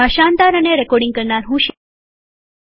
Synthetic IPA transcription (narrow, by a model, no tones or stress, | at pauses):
aɕand̪aɾəneɾɛkɔɖiŋɡkəɾɳaɾɦũːɕ